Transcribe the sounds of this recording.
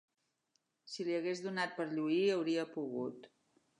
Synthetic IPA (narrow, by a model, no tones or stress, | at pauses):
siliəɣezðunat̪̚pəɾʎuiəwɾiəpuɣṵt̪